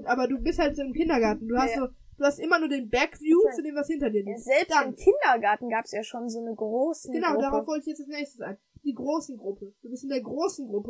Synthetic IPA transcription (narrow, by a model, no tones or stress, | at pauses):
ʔaːbɐduːbɪsthaltz̥oːɪmkʰɪndɐɡaɐtn̩duːhastzoː | d̥uːhastʔɪmɐnuːɐdeːnbɛkv̥juːt͡sudeːmvashɪntɐdiːɐliːk̚z̥ɛlpsdaɪmkʰɪndɐɡaɐtn̩ɡaːpsjaːʃoːnzoːnəɡʁoːsn̩ɡ̥ənaʊdaːʁaʊfvɔltɪçjɛt͡stalsnɛːçstəsʔa̰ɪn | d̥iːɡʁoːsn̩ɡʁʊpʰəd̥uːbɪstɪndeːɐɡʁoːsn̩ɡʁʊpə